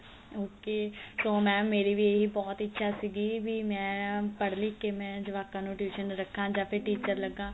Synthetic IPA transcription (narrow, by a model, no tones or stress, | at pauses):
oːkeːsoːmɛ̃ːmeːɾiːʋiːeɦiːbɔːt̪ɪtːʃʰaːsiːɡiːʋiːmɛ̃ːpəɽliːkeːmɛ̃ːd͡ʒɪʋaːkãːnũːʈjuːʃənɾəkʰːãːd͡ʒaːpʰɪɾʈiːt͡ʃəɾləɡãː